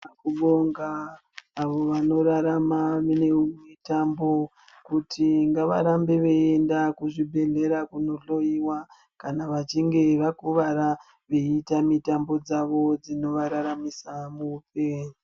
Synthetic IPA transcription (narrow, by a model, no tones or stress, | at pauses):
akuɓoŋɡaː | ʋo̞ʋano̞ɾaɾamaenemitambo̞ | kutʰiŋɡaʋa̰ɾambe̞ʋe̞endakuʐibʱe̞ɮe̞ɾakunoɬo̞iwa | kanaʋat͡ʃiŋɡe̞ʋakuʋaɾa | ʋeitamitambo̞d͡zaʋo̞d͡zino̞ʋaɾaɾamisamupe